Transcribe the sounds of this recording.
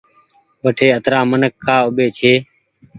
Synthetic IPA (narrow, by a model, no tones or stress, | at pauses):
ɓəʈʰeːət̪ɾaːmənəkːaːʊɓeːt͡ʃʰeː